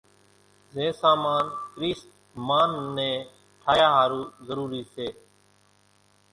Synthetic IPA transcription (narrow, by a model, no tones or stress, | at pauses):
zẽːsaːmaːnkɾiːs | maːnːẽː | ʈʰaːjaːɦaːɾuːzəɾuːɾiːseː